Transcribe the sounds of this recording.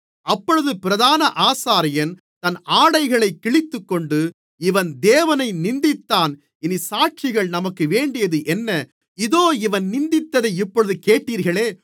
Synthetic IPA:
ɐpːɔɻɯðɯpɪɾɐðaːnɐʔaːsaːɾɪjɐn | t̪ɐnaːɽɐɪɣɐɭɐɪkːɪɭɪt̪ːɯkːɔɳɖɯ | ɪʋɐnd̪eːʋɐnɐɪnɪnd̪ɪt̪ːaːn | ɪnisaːʈ̚t͡ʃɪɣɐɭnɐmɐkːɯʋeːɳɖɪjɐðɯʔɛnːɐ | ɪðoːɪʋɐnnɪnd̪ɪt̪ːɐðɐɪɪpːɔɻɯðɯkeːʈːiːɾɣɐɭeː

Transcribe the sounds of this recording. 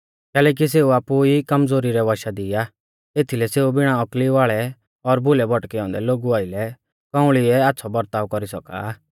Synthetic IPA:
kɛːlɛːk̬is̬eːuaːpuikɐmzoːɾiɾɛʋaʃad̪ɪa | eːt̪ʰilɛseːubɪɽ̃aɔkliʋaːɭɛ | ɔɾbʱʊlɛbʱɔʈkɛɔ̃ːnd̪ɛloːɡuaːɪlɛ | kɔ̃ʊ̃ɭiɛaːtːsʰɔbɔɾt̪aːʋkɔɾisɔka̰ː

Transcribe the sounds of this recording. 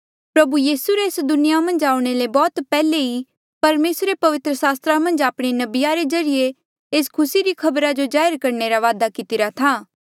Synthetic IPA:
pɾɐbujiːsuɾeːsd̪ʊnɪjamɐ̃nd͡ʒaːuɽ̃elebɔːt̪pɛːlei | pɐɾmeːsɾepɐʋɪt̪ɾəsaːst̪ɾamɐ̃nd͡ʒaːpɽ̃enɐbɪjaɾezɐɾɪje | eːskʰʊsiɾikʰɐbɾad͡ʒod͡ʒaːɪɾkɐɾneɾaʋaːd̪akɪt̪ɪɾat̪ʰaː

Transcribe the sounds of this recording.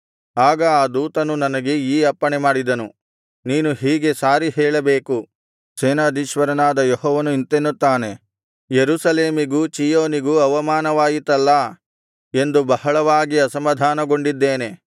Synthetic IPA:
aːɡɐaːd̪uːt̪ɐnunɐnɐɡe̞iːɐpːɐɳemaːɽid̪ɐnu | niːnuɦiːɡe̞saːɾiɦɛːɭɐbeːku | seːnaːd̪ʱiːʃʋɐɾɐnaːd̪ɐjɔɦɔːʋɐnuint̪enːut̪ːaːne̞ | jeɾusɐleːmiɡut͡ʃijoːniɡuɐʋɐmaːnɐʋaːjit̪ɐlːɐ | e̞nd̪ubɐhɐɭɐʋaːɡiɐsɐmɐd̪ʱaːnɐɡo̞ɳɖid̪ːeːne̞

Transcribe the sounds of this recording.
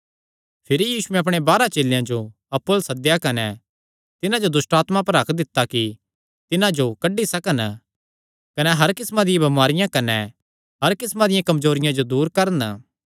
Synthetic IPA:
pʰɪɾijiːsuɛ̃ɐp̬ɽ̃ebaːɾat͡ʃeːljãd͡ʒo | ɐpːolsɐd̪jakɐnɛ | t̪ɪnãd͡ʒod̪ʊsʈaːt̪mapɐɾɦɐkʰd̪ɪt̪ːaki | t̪ɪnãd͡ʒokɐɖːisɐkən | kɐnɛɦɐɾkɪsmãd̪ɪjãbɐmaːɾɪjãkɐnɛ | ɦɐɾkɪsmãd̪ɪjãkɐmzoːɾɪjãd͡ʒod̪uːɾkɐɾən

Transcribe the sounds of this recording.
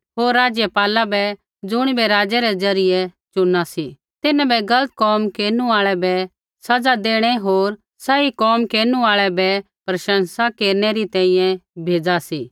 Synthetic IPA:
ɦoːɾːaːd͡ʒjɛpaːlabɛ | d͡zʊɽ̃ibɛɾaːd͡ʒɛɾɛd͡zɐɾɪjɛt͡ʃʊnːasi | t̪ɪnãbɛɡɐlət̪̚kɔːmkeːɾnuaːɭɛbɛ | sɐd͡zad̪eːɽ̃ɛɦoːɾ | saikɔːmkeːɾnuaːɭɛbɛ | pɾɐʃə̃nsakeːɾnɛɾit̪ɛ̃ːĩjɛ̃bʱeːd͡zasiː

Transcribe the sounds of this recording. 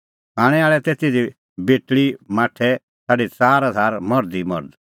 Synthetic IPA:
ãːɽ̃ɛaːɭɛt̪eːt̪id͡zi | beːʈɭimaːʈʰɛ | saːɖit͡saːɾad̪ʱaːɾmɔɾd̪imɔɾd̪

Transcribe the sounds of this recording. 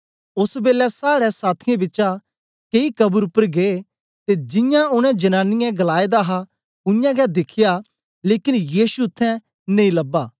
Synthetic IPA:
ʊsbeːlɛsaːɽɛsaːt̪ʰɪjãbɪtːt͡ʃã | keikɐbuɾʊpːəɾɡe | t̪ed͡ʒɪ̃jãʊñɛ̃d͡ʒɐnãːnːɪjɛ̃ɡɐlaːed̪aɦa | ʊjãɡɛd̪ɪkʰɪja | leːkɪnjiːsuʊt̪ʰːɛ̃ | neĩlɐbːaː

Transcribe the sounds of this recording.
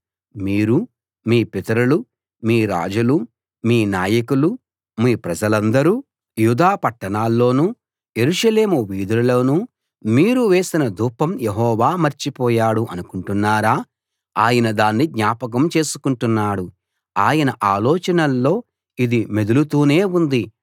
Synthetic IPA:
miːɾu | miːpɛt̪ɐɾulu | miːɾa̰ːd͡ʒulu | miːnaːjɐkulu | miːpɾɐd͡ʒɐlɐnd̪ɐɾuː | jud̪aːpɐʈːɐɳaːlːo̞ːnuː | je̞ɾuʂɐle̞ːmuʋiːd̪ɐɾuloːnu | miːɾuʋe̞ːsinɐd̪uːpːɐmjeɦɔːʋaːmɐɾt͡ʃipɔːjaːɽuʔɐnukuɳʈunːaːɾaː | aːjɐnɐd̪aːnːiɡɲaːpɐk̬ɐmt͡ʃe̞ːsu̥kuɳʈunːaːɽu | aːjɐnɐʔaːlɔːt͡ʃɐnɐlːo̞ː | id̪imed̪ulut̪uːne̞ːund̪i

